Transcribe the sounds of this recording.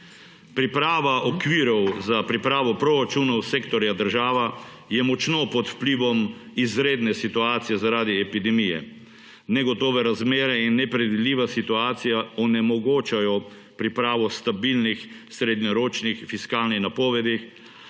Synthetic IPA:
pɾipɾaːʋaʔɔkʋiɾɔwzapɾipɾaːʋɔpɾoɾat͡ʃunɔwseːkt̪ɔɾjad̪əɾʒaːʋa | jɛmɔt͡ʃnɔpɔt̪wpliːʋɔmizɾeːd̪nɛsit̪uaːt̪sijɛzaɾaːd̪iɛpid̪ɛmijɛ̰ | nɛɡɔt̪ɔːʋɛɾazmeːɾɛinːɛpɾɛd̪id̪liːʋasit̪uaːt̪sijaɔnɛmɔɡoːt͡ʃajɔ | pɾipɾaːʋɔst̪abilnix | sɾed̪ɲɔɾoːt͡ʃnixfiskaːlnixnapɔːʋɛd̪ix

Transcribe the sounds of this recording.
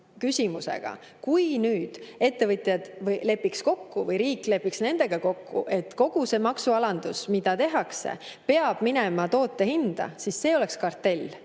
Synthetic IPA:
kysʲimuse̞̰ɡ̥ɑ̰ | kujnyːd̪̥e̞t̪ːe̞vɤt̪jɑd̪̥vɯjle̞pːiksko̞kːuvɤjɾiːkːˑle̞pːˑiksne̞nd̪̥e̞ɡ̥ɑko̞kːṵʔe̞t̪ːˑko̞ɡ̥use̞ːmɑksuɑlɑnd̪̥usmid̪ɑt̪e̞ɦɑkse̞̰pe̞ɑb̥minemɑt̪o̞ːt̪ˑːe̞hind̪̥ɑ̰sisːe̞ːo̞le̞kskɑrt̪ːe̞lʲː

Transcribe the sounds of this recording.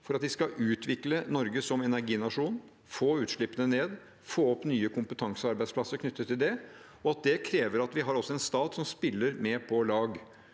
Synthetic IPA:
fɔɾɑt̪ʋɪskɑʔʉːt̪ʰʋɪklənɔɾɡəsɔmɛnæɾɡiːnɑʂuːn | foːʉːt̪ʂɭɪpːənəneːd̪ | foːɔpnyːəkʰʊmpət̪ʰɑŋsəɑɾbæɪspʰlɑsːəɾkʰnʏt̪ːət̪ʰːɪld̪ɛ | ɔɑt̪̚d̪ɛkʰɾeːʋəɾɑt̪ʋɪɦɑɾɔsːɔɛnst̪ɑːt̪sɔmspɪlːəɾmɛpʰɔlɑːɡ

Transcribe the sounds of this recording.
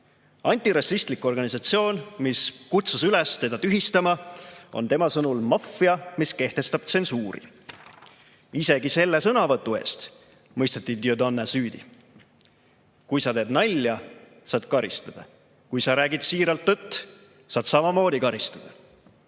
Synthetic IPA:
ɑnʲt̪iɾɑsist̪liko̞rɡ̥ɑnisɑt̪sio̞ːnmiskut̪susylest̪e̞d̪̥ɑt̪yɦist̪ɑmɑo̞̰nt̪e̞mɑsɤnulmɑfːiɑmiske̞ht̪e̞st̪ɑb̥t̪se̞nsuːɾḭ | ise̞ɡise̞lːesɤnɑvɤt̪ːˑue̞̰ːst̪ | mɤjst̪ɑt̪ːˑid̪iod̪ɑnːesyːd̪ḭ | kujsɑt̪e̞ːd̪nɑlʲːjɑ | sɑːd̪̥kɑɾist̪ɑd̪̥ɑ | kujsɑɾæːɡid̪̥siːɾɑlt̪ːɤt̪ː | sɑːd̪sɑmɑmo̞ːd̪ikɑɾist̪ɑd̪̥ɑ

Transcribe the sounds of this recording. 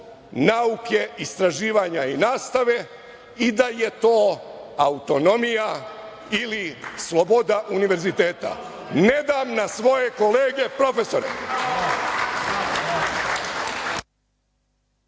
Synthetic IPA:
nauke̞ist̪ɾaʒiːʋaɲainaːst̪aʋe̞ | id̪aje̞t̪oːaut̪o̞no̞mija | ilislˠo̞bod̪aʔuniʋe̞ɾzit̪eːt̪a̰ | ne̞d̪amnasʋo̞je̞ko̞leːɡe̞pɾo̞fe̞so̞ɾḛ

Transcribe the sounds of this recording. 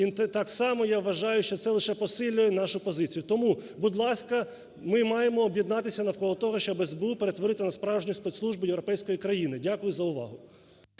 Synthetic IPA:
inɛt̪ɑksɑmɔjaʋʋːɐʒɑjʊʃt͡ʃɔt̪sɛlˠɪʃɛpɔsɪlʲːʊjɛnɑʃʊpɔzɪt͡sʲijʊt̪ɔmubʊd̪lˠɑskɐ | mɪmɑjemɔːbjɛd̪nɑt̪ɪsʲɐnɐwkɔlˠɔt̪ɔɦɔʃt͡ʃɔbɛzbeupeɾet̪ʋɔɾɪt̪ɪnɐspɾɑwʒnʲispɛt̪slˠuʒbʊjeʋɾɔpɛjsʲkɔjikɾɐjinɪdʲakʊjʊzɐʊʋɑ̰ɦʊ

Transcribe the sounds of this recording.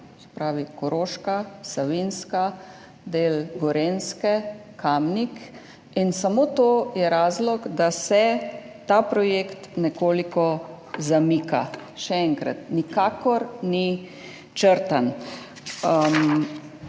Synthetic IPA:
sɛ̥pɾaːʋikɔɾoːʃkasaʋinska | d̪eːlɡɔɾenskɛkamnik | insamoːt̪oːjɛɾaːzlɔɡd̪asɛ | t̪apɾɔjeːkt̪nɛkoːlikɔ | zamiːka̰ʃɛɛŋkɾa̰t̪nikaːkɔɾni | t͡ʃəɾt̪an

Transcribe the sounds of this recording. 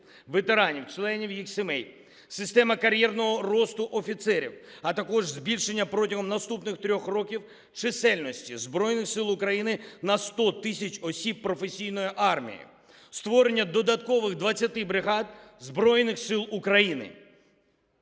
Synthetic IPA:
ʋet̪e̞ɾɑnʲiwt͡ʃlˠɛnʲiwjixsemɛj | sɪst̪ɛmɐkɐɾʲjɛrnɔɦɔrɔst̪ʊʔɔfʲit̪sɛɾʲḭwɐt̪ɐkɔʐzʲbʲilʲʃenʲːɐpɾɔtʲɐɦɔmnɐst̪upnɪxt̪ɾʲɔxrɔkʲiw | t͡ʃɪsɛlʲnɔsʲtʲizbɾɔjnɪxsɪlˠʊkɾɐjinɪnɐst̪ɔt̪ɪsʲɐt͡ʃʲɔsʲibpːɾɔfesʲijnɔjiʔɑrmʲḭjḭ | st̪ʋɔɾe̞nʲːɐd̪ɔd̪ɐt̪kɔʋɪɣd̪ʋɐt͡sʲːɐt̪ɪbɾɪɦɑd̪zbɾɔjnɪxsɪlˠukɾɐjinɪ̰

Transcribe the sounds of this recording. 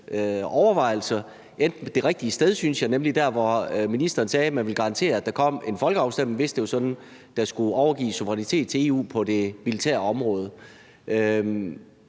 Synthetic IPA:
ɒʊɐʋɑ̈ɪ̰l̩sɐ | ʔend̥n̩d̥e̝ʁɛɡ̥̚d̥iəsd̥eð̞ˠsynsjɑ̈ɪnemlid̥æɐʋɒminisd̥ɐːnsɛːmænʋe̝lɡ̥ɑ̈ɑ̈nt͡sʰe̝̰ːɐæd̥ɑ̈kʰɒ̽m̰e̝nfɒ̽lɡ̥əɑ̈ʊsd̥em̰eŋ̩ʋe̝sd̥eosɒ̽d̥n̩ | d̥ɑ̈sɡ̥uɒʊɐɡ̥ḭːsuʋɐʁɛnit͡sʰe̝̰ːd̥̚t͡sʰe̝e̝ːṵːpʰɒ̽d̥e̝milit͡sʰæ̰ɐ̰ɒ̽mʁɔ̽ːð̞ˠə | ʔø

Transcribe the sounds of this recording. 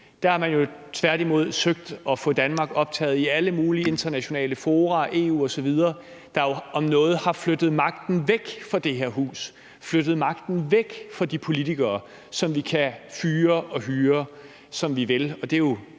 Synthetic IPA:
d̥ɑ̈hɑ̈mænjo̝t͡sʰʋæɐ̰d̥imo̝ð̞̰ˠsøɡ̥̚d̥ɒ̽fɔ̽d̥ænmɑ̈ːɡ̥ɒ̽b̥̚t͡sʰɛ̰ːð̩ˠiæləmuːliəe̝nd̥ɐnæɕo̝nɛ̰ːləfo̝ːʁɑʔe̝ːṵːɒ̽sɒ̽ʋið̞ˠɐː | d̥ɑ̈jo̝ɒ̽mnɔ̽ːð̞̩ˠhɑ̈flød̥ð̞̩ˠmɑ̈ɡ̥̚d̥n̩ʋeɡ̥fɒd̥e̝ɦeɐ̰ɦṵːs | fløɾ̥ð̞̩ˠmɑ̈ɡ̥d̥n̩ʋeɡ̥fɒ̽d̥ipʰo̝lit͡sʰiɡ̥ɐː | sɒ̽mʋikʰæfyːɐʔɒ̽ɦyːɐ | sɒ̽mʋiʋe̝lɒ̽d̥e̝jo̝

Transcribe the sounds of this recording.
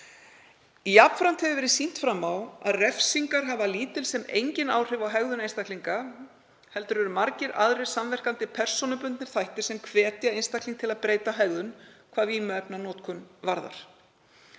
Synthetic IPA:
ijap̪fɾan̥t̪hɛvɪvɛːɾɪðsin̥t̪fɾamːawa̰ðrɛfsiŋkaɾɦavaliːt̪ɪlsɛmḛjɲcɪna̰ːwr̥ɪvawɦɛɣðʏnejnst̪akliŋka | hɛl̪t̪ʏɾʏɾʏmaɾcɪɾa̰ðɾejɾ̥samvɛr̥kant̪ɪpʰɛr̥sɔnʏpʏnt̪nɪɾ̥θajht̪ɪɾ̥sɛmkʰvɛːt̪jaejnst̪akʰliŋkt̪ʰɪlaðpɾeːjt̪aɦɛɣðʏnkʰvaːðiːmɛpnanɔːt̪kʰʏnvaɾða̰ɾ̥

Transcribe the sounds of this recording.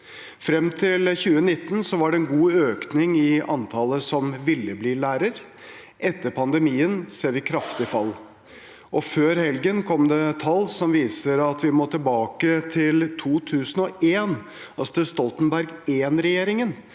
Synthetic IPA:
fɾɛmt̪ʰɪlçʉːənɪt̪ːnsɔʋɑɖɛɛnɡuːøːknɪŋɪɑ̰nt̪ʰɑːləsɔmʋɪlːəbliːlæːɾəɾ | ʔɛt̪ːəɾpʰɑnd̪əmiːənseːɾʋɪkʰɾɑft̪ɪfɑl | ʔɔføːɾhɛlɡənkʰɔmd̪ɛt̪ʰɑlːsɔmʋiːsəɾɑt̪ʋɪmoːt̪ʰɪlbɑːkət̪ʰɪlt̪ʰuːt̪ʰʉːsən̩ɔʔeːn | ɑst̪əst̪ɔlt̪ənbæɾɡeːnɾɛjeːɾɪŋən

